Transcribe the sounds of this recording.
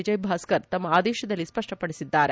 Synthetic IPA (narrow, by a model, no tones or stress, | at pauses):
id͡ʒɐjbʱaːskɐɾt̪ɐmːɐaːd̪ɛːʃɐd̪ɐlːispɐʂʈɐpɐɽisid̪ːaːɾe